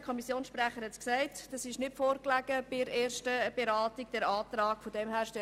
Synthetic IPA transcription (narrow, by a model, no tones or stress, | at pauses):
kʰɔmisjoːnsʃpræχəɾhɛtsksɛɪtd̥ɑsɪʃnɪtfoːɾklæɡ̥əbɪɾeːɾʃtəb̥eɾɑːtɪk̚d̥ɛɾɑːt̪ɾɑːkfɔdɛmhæːɾʃtɛ